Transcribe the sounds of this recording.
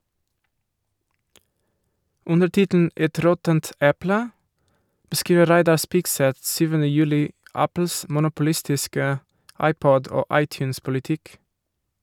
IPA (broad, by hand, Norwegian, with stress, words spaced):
ˈʊndəɾ ˈtɪtn̩ ˈɛt ˈɾɔtənt ˈɛplə bəˈskiːʋə ˈɾæɪdɑ ˈspɪɡsɛt ˈsyːʋənə ˈjʉːlɪ ˈɑpl̩s mʊnʊpʊˈlɪstɪskə ˈɑɪˌpɔd ˈoː ˈɑɪˌtjʉːns pʊlɪˈtɪk